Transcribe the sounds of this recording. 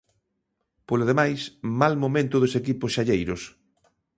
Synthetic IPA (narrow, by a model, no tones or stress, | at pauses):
poloð̞emajsmalmomẽnt̪ʊð̞ʊsekipʊsʃaʎejɾʊs